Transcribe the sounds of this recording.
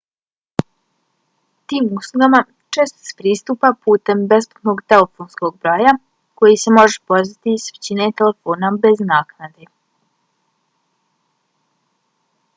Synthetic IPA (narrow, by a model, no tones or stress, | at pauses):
t̪iːmuslˠuɡama | t͡ʃeːst̪o̥se̥pɾiːst̪uːpapuːt̪e̞mbe̞spu̥t̪no̞ɡt̪elefonsko̞ɡ̚bɾoːja | ko̞jise̞mo̞ʒepoɾzit̪isʋet͡ɕine̞t̪elefoːnabe̞znaːknad̪e